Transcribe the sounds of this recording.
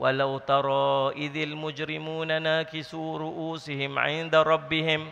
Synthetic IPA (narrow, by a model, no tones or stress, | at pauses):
wʔa̰lawt̪ɑɾˤɑːʔɪðalmʊd͡ʒɾɪmuːnanaːkɪsuːɾʊʔuːsɪhɪmʕɪ̰nd̪aɾˤɑbːɪhɪm